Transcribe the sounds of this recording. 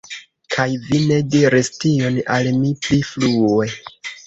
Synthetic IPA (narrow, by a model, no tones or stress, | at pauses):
kʰajvine̞diɾistio̞nalmipliflue